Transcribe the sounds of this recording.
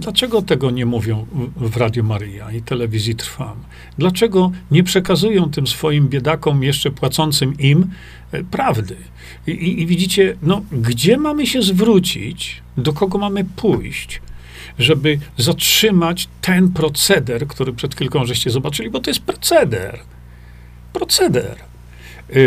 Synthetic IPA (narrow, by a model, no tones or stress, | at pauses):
d̪lat͡ʂɛɡɔt̪ɛɡɔɲɛmuvʲjɔ̃w̃vɾad̪ʲjumaɾɘjait̪ɛlɛvʲizʲjit̪ɾfam | d̪lat͡ʂɛɡɔɲɛpʂɛkazujɔ̃w̃t̪ɘmsfɔjimbʲjɛd̪akɔmjɛʂt͡ʂɛpwat̪sɔnt̪sɘmim | pɾavd̪ɘ | iːvʲid͡ʑit͡ɕɛnɔɡd͡ʑɛmamɘɕɛzvɾut͡ɕḭt͡ɕ | d̪ɔkɔɡɔmamɘpʰujɕt͡ɕ | ʐɛbɘzatʂɘmat͡ɕt̪ʰɛnpɾɔt̪sɛd̪ɛɾkt̪uɾɘpʂɛt̪kʲilkɔ̃w̃ʐɛɕt͡ɕɛzɔbat͡ʂɘlʲibɔt̪ɔjɛst̪̚pɾɔ̥t̪sɛd̪ɛ̰ɾ | pɾɔt̪sɛd̪ɛ̰ɾ